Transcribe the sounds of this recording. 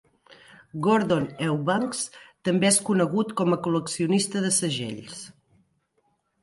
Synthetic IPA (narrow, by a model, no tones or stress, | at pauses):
ɡoɾðonɛwβaŋkst̪əmbeɛskunəɣut̪kɔməkuləksiunist̪əðəsəʒḛʎs